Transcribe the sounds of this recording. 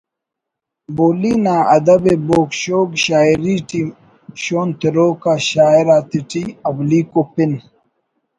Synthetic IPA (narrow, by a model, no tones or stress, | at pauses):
boːlinaːɐd̪ɐbeboːkɕoːɡɕaːiɾiʈi | ɕoːnt̪iɾoːkaɕaːiɾaːt̪iʈiɐwliːkopin